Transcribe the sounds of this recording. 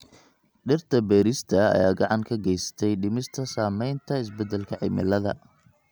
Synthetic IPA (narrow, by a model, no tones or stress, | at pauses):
ɖɪrt̪ʰɐbɛːɾɪst̪ʰɐɐ̰ja̰ːɡɑʕɑŋkʰɐɡɛjsɐ̥t̪ʰɛjɖɪmɪst̪ʰɐsaːmɛjnt̪ʰɐɪs̬bɛd̪ːɛlkʰɐʕɪ̰mɪ̰lɐðɐ̰